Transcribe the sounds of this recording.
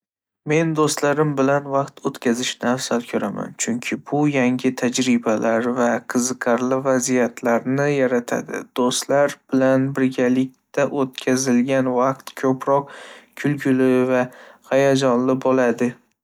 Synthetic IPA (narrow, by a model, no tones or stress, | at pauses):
me̞nd̪ost̪laɾɪmbɪlanvɑqt̪ʰot̪kʲʰazɪʃnɪafsalkʲʰɵɾama̰nt͡ʃʰʊŋkʲʰɪbʊjaŋʲɪt̪ʰad͡ʒɾɪbalʔaɾvaqʰɨzɨqʰɑɾlɪvazijat̪ʰlaɾnɪjaɾat̪ʰa̰d̪ɪ̰d̪̥ost̪laɾbɪlanbɪɾɡʲalɪk̚ʲt̪aʔot̪kʲʰazɪlɡʲanvɑq̚t̪kʲʰɵpɾɒq̚kʰʊlɡʲʊlɪvahajad͡ʒɒnlɪbɒlad̪ɪ